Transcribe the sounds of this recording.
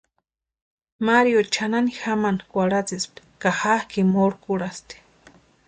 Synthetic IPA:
maɾjot͡ʃʰananixamankʷaɽat͡sist̪i̥kaxakimoɾkuɽast̪i̥

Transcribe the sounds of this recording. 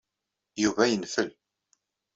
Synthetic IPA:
juvæjənfəl

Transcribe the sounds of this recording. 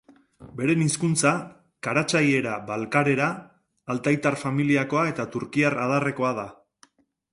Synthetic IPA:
be̞ɾe̞niskunt͡sa | kaɾat͡saje̞ɾabalkaɾe̞ɾaː | lt̪ajt̪arfamiliako̞ae̞t̪at̪uɾkiarað̞are̞ko̞að̞a

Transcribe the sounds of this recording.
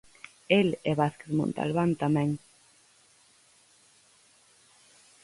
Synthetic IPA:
elɛβaθkeðmo̰nt̪a̰lβant̪amɛ̃ŋ

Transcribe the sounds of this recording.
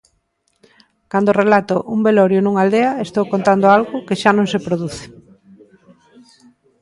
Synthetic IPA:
kand̪orelat̪ʊʔumbeloɾjʊnuŋald̪eɐest̪owkont̪and̪oalɣʊkɪʃanõŋsepɾoðuθe̥

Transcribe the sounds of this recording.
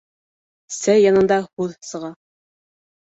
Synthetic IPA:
sæjɑnɤ̆nd̪ɑhʉðsɤ̆ʁɑ

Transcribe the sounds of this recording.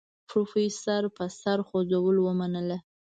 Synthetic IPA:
pɾofejsaɾpəsaɾxozawəlwəmanəla

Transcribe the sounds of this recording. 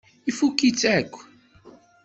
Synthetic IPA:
ifukːit͡sːækʷː

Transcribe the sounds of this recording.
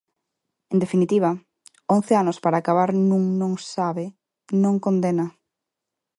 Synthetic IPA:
end̪efinit̪iβ̞ɐ | õn̟θeanospaɾaːkaβaɾnũŋnõŋsaβe | nõŋkond̪enɐ

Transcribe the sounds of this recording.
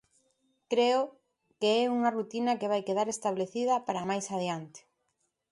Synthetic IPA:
kɾeʊ | keɛuŋɐrut̪inɐkeβajkeðaɾest̪aβleθið̞ɐpaɾamajsaðjant̪e̥

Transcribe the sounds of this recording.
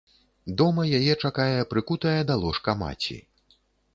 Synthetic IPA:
d̪ɔmɐjajɛt͡ʂakajɛpɾɨkut̪ɐjɐd̪alˠɔʂkɐma̰t͡sʲḭ

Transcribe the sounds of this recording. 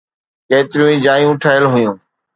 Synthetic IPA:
keːt̪ɪɾijũːĩːd͡ʒaːjũːʈʰaːjəlɦʊjũː

